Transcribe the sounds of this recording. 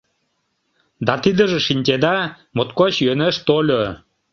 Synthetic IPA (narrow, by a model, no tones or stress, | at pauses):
d̪ɑt̪id̪ə̆ʒĕʃinʲt̪ʲed̪ɑ | mot̪kot͡ɕjøneʃt̪olʲo